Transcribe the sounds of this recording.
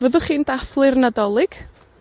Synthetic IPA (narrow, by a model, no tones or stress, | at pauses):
vəðʊχiːndaflˠɨrnadɔlˠɪɡ̥